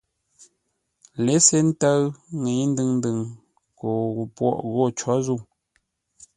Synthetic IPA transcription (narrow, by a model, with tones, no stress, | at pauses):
le˨˦se˦n̩˦tə˦ŋe˨˦n̩˦dɨ˦ŋn̩˦dɨ˨ŋ | ko˨pwɔ̰˦˨ʔɣo˦˨t͡ʃɔ˨˦zu˦˨